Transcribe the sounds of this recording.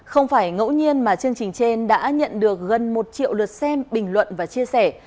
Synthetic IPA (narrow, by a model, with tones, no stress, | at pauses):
xə˧wŋ͡mfaː˧˩jŋə̰˧˥wɲi˧ənmaː˨˩t͡ɕɨ˧əŋt͡ɕï˨˩ŋ̟t͡ɕe˧nɗa̰ː˧˥ɲə̰˧˨nɗɨ˨˩ək̚ɣə˨˩nmo˨˩t̚t͡ɕḭ˧˨əwlɨ˨˩t̚sɛ˧mɓï˨˩ŋ̟lwə̰˧˨nvaː˨˩t͡ɕi˧əsɛ˧˩